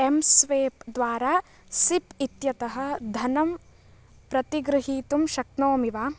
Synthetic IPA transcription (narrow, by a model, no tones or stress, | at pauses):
emsʋeːpd̪ʋaːɾaː | sipit̪jɐt̪ɐɦɐ̆d̪ʱɐnɐm | pɾɐt̪iɡɾɨɦiːt̪umʃɐknoːmiʋaː